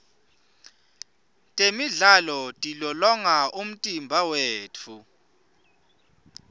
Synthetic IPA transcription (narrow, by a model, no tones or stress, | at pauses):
tʼemiɮalɔtʼilɔlɔŋaʔum̩tʼimbʱaweːt͡fʰu